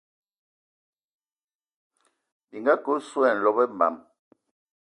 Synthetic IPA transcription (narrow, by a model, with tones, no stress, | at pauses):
bi˨ŋɡa˦ku˦swɛ˦˨n̩˨lɔ˦bɛ˦mba̰˨m